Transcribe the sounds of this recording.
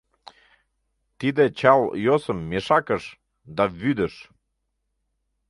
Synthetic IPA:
t̪id̪ĕt͡ɕɑljosəmːeʃɑkəʃ | d̪ɑβyd̪əʃ

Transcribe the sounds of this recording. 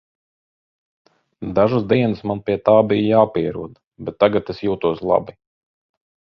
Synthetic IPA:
d̪aʒusd̪iɛnɨsmanpʲiɛt̪aːbijjaːpiɛɾṵɔd̪ | bɛt̪ːaɡat̪esjuːt̪uɔslˠa̰bi

